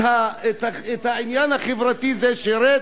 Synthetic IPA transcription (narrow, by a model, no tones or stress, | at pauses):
aet̪aet̪hainjanhaχevʁat̪izeʃeɾe